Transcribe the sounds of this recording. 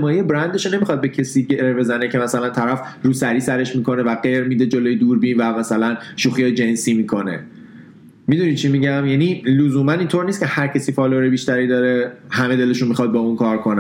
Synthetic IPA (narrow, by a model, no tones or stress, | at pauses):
mɒːjijebɾænd̪eʃone̞miχɒd̪̚be̞cʰesiːɟeɾbe̞zæne̞cʰe̞mæsælænt̪ʰæɾæfruːsæɾiːsæɾe̞ʃmiːkʰo̞ne̞væɢe̞ɾmid̪e̞d͡ʒo̞loːjed̪uːɾbiːnvæmæsælænʃuːxijɒjed͡ʒe̞nsiːmiːkʰo̞ne̞̰ | mid̪unid̪̚t͡ʃʰimiɟæmjænilozuːmænint̪ʰoɾnist̪cʰe̞hæɾcʰesiːfɒːloɾebiːʃt̪æɾiːd̪ɒːɾehæme̞d̪e̞le̞ʃunmixχɒd̪̚bɒːunkʰɒːɾkʰo̞næ